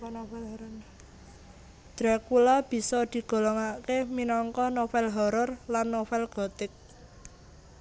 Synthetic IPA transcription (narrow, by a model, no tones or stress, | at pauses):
d̪̥ɾakulab̥i̤sɔd̪̥i̤ɡ̥o̤loŋakeminɔŋkɔnofɛlɦɔɾɔrlanːofɛlɡ̥ɔ̤t̪ɪk̚